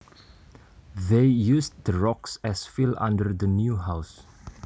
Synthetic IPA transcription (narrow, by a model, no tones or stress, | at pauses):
ðejusd̪əɹɔksɛsfilã̰ndəɹd̪ənjuɦaws